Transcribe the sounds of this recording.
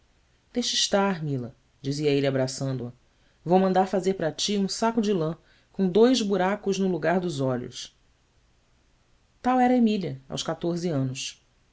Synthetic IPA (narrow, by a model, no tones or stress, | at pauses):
d̪̥eʃiʃt̪aɾmilɐ̰ | d͡ʒiziɐelabɾasɐ̃nd̪ʊɐ | vowmɐ̃nd̪aɾfazeɾpɾɐt͡ʃiũsakʊd͡ʒɪlɐ̃ | kõw̃d̪ojzbuɾakʊʒnʊluɡaɾd̪ʊzɔʎʊ̰s | t̪awɛɾɐemiliɐa̰wskat̪oɾziɐ̃nʊs